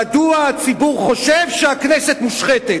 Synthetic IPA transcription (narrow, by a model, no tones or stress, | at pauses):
aduat͡sibuʁχo̞ʃevʃeakneset̪muʃχet̪e